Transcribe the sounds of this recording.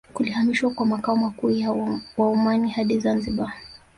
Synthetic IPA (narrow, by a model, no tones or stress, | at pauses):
kulihamiʃwakwamakaɔmakuːjawaumanihaɗizanziɓa